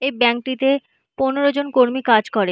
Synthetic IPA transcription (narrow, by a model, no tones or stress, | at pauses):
ebɛŋk̚ʈit̪e | poneɾod͡ʑonkoɾmikad͡ʑkɔɾe